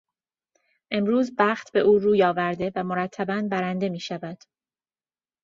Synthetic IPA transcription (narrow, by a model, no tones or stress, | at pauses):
ʔe̞mɾuːzbæːxt̪be̞ʔuːɾuːjɒːvæɾd̪e̞væmo̞ɾæt̪ʰːæbænbæɾænd̪e̞miːʃævæd̪̥